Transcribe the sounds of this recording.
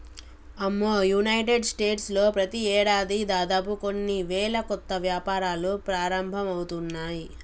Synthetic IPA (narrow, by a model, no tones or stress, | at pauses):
ɐmːoːjunɐjʈeɖsʈe̞ːʈslo̞ːpɾɐt̪iɛːɽaːd̪id̪aːd̪aːp̬uko̞nːiʋɛːɭɐkɔt̪ːɐʋjaːpaːɾaːlupɾaːɾɐmbʱɐmɐwut̪unːaːji